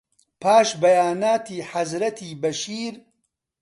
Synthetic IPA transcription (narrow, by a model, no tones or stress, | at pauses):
pʰaːʃbɐjaːnaːt̪iːħɐzɾɐt̪ʰiːbɐʃiːɾ